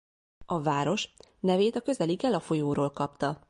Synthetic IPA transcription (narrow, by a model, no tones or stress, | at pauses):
ɒvaːɾo̞ʃnɛveːt̪ɒkø̞zɛliɡɛlɒfo̞joːɾoːlkɒpt̪ɒ